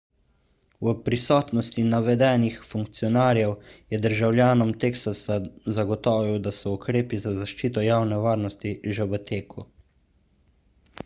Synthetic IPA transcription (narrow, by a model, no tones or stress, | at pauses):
wəpɾisɔːt̪nɔst̪inaʋɛd̪ɛːnixfuŋkt̪sijɔnaːɾjɛwjɛd̪əɾʒawljaːnɔmt̪eːksaszaɡɔt̪ɔːʋiwd̪asɔukɾeːpizazaʃt͡ʃiːt̪ɔjaːwnɛʋaːɾnɔst̪iʒɛʋət̪eːkʰu